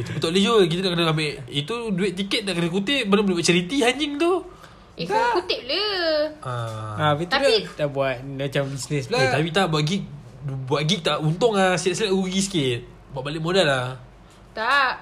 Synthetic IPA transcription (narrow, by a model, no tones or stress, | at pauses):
it̪upət̪oʔləd͡ʒok̬it̪ənaʔkənəkameʔit̪uduɪʔ̚t̪̬ːikət̪̚naʔkərnəkut̪ɪʔpənəbəlebaʔ̚t͡ʃəɾit̪iɦaɲiŋt̪u | ikut̪ɪʔ̚ləaapit̪alit̪aʔbuat̪̚mat͡ʃambisnɛslat̪apit̪aʔbuaʔ̪ɡik̚buaʔ̪̚ɡik̚t̪aʔunt̪ʊŋlasitʔsəlaʔɡuɡisə̥kɪt̪̚ | buaʔbalɪʔmodala | t̪aʔ